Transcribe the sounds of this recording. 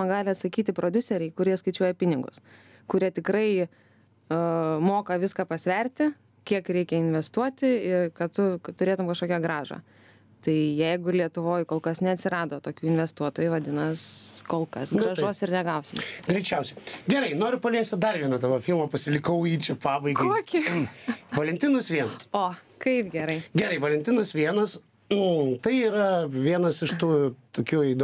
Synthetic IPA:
ɐɡɑːlʲɪɐt̪sɐkʲiːt̪ʲɪpɾoːd̪ʲʊsʲɛɾʲɛɪkʊɾʲiɛskɐɪt͡ʃʲuɔjɛpʲɪnʲɪɡʊ̰s | kʊɾʲiɛt̪ʲɪkɾɐɪ | moːkɐʋʲɪskɑːpɐsʲʋʲɛɾʲt̪ʲɪ | kʲiɛkɾʲɛɪkʲɛɪnʲʋʲɛst̪uɔt̪ʲɪɪrkɐtt̪ʊt̪ʊɾʲeːt̪ʊmkɐʃkoːkʲɛɡɾɑːʒɑ̰ | t̪ɐɪjɛɪɡʊlʲiɛt̪ʊʋoːjkoːlˠkɐsnʲɛɐt̪ʲsʲɪɾɑːd̪oːt̪oːkʲuːɪnʲʋʲɛst̪uɔt̪oːjuʋɐd̪ʲɪnɐskoːlˠkɐsɡɾɐʒoːsɪrnʲɛɡɐʊsʲɪmɡɾʲɛɪt͡ʃʲɛʊsʲɛɪɡʲɛɾɐɪnoːɾʲʊpɐlʲeːsʲt̪ʲɪd̪ɐrʋʲiɛnɐd̪ɐʋɐfʲɪlˠmɐpɐsʲɪlʲɪkɐʊiːt͡ʃʲɛpɑːbɐɪɡɐɪuːkʲɪ | ʋɐlʲɛnʲt̪ʲɪnɐsʋʲiɛnɐsoː | kɐɪpɡʲɛɾɐɪɡʲɛɾɐɪʋɐlʲɛnʲt̪ʲɪnɐsʋʲiɛnɐs | t̪ɐɪiːɾɐʋʲiɛnɐsɪʃt̪uːt̪oːkʲuːid̪

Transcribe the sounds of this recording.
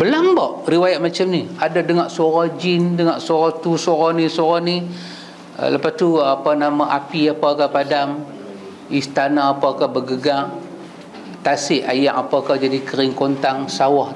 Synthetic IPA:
bəlaŋbaʔriwajaʔ̪̚mat͡ʃamniadadəŋaʔsoɾad͡ʒɪndəŋaʔsoɾaht̪usoɾanisoɾanḭ | ləpast̪uapanamaʔapiapakapadam | ist̪anaːpakahbəɡəɡaŋ | t̪asɪʔajaʔapakad͡ʒadikəɾɪŋkont̪aŋsawah

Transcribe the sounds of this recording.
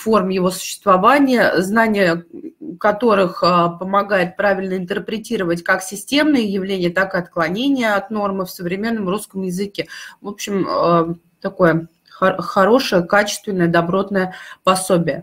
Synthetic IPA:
fo̞rmjɪvo̞sʊ̥ɕːɪ̥st̪vɐvanʲɪjəznanʲɪjəkɐt̪o̞ɾɨxəpəmɐɡajɪt̪̚pɾavʲɪlʲnəɪnt̪ərpɾʲɪtʲiɾəvətʲkaksʲɪsʲtʲe̞mnɨjəjɪvlʲenʲɪjət̪akɨɐt̪klˠɐnʲenʲɪjəɐt̪no̞rmɨfsəvɾʲɪmʲe̞nːəmruskəmjɪzɨkʲevo̞pɕːɪmə | t̪ɐko̞jə | xxɐɾo̞ʂəjəkat͡ɕɪ̥st̪vʲɪnːəjəd̪ɐbɾo̞t̪nəjəpɐsobʲɪjə

